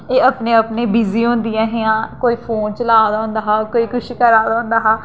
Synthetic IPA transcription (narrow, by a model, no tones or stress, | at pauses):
eːəpnẽːəpnẽːbiːziːɦõːnd̪ɪjãːɦɪãːkoːiːpʰoːnt͡ʃəlaːd̪ãːʊ̃nd̪aːɦaːkoːiːkʊʃikəɾaːd̪aːʊ̃nd̪aːɦaː